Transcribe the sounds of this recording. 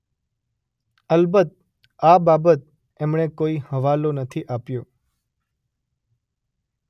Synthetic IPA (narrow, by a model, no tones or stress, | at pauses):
əlbət̪̚ | ababət̪̚ | emɳ̃ekoihəʋalonət̪ʰiʔapjo